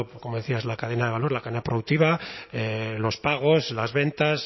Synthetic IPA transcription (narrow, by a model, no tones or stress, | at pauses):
ko̞moðe̞θiazlakað̞e̞naðe̞βalo̞ɾlakaðenapɾoðuk̚t̪iβaelo̞spaɣ̞o̞slazβe̞nt̪as